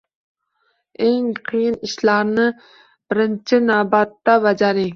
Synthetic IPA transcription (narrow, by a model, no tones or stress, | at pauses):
eŋqʰijiniʃlaɾnɨ | b̥ɪɾɪnt͡ʃʰɪnawbɑt̪ːabɑd͡ʒɑɾɪ